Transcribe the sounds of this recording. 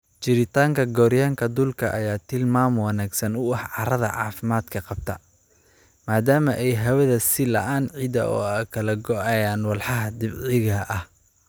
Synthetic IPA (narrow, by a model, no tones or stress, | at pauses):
t͡ʃɪɾɪt̪ʰaːŋkʰɐɡɔːɾjaːŋkʰɐd̪ʊlkʰɐʔɐjaːt̪ʰɪlmaːmwɑnaːɡsɐnʊɐħʕɑɾɐðɐ̰ʕɑ̰ːfɪmaːd̪kʰɐqɑb̚t̪ʰɐ | maːd̪aːmɐʔɛjɦɐwɐðɐsɪlɐʔaːnʕid̪ɐʔɔ̰ːɐkʰɐlɐɡɔʔɛjaːnwɑlħɑɦɐd̪ɪbʕɪɣɐʔɐh